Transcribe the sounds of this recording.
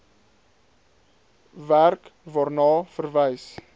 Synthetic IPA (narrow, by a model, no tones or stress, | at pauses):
værkvɑːrnɑːfərvɛjs